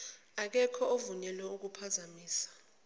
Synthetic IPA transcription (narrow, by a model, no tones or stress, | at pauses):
ak̬ɛkʰɔovuɲɛlwɛuk̬upʰazamiːsḁ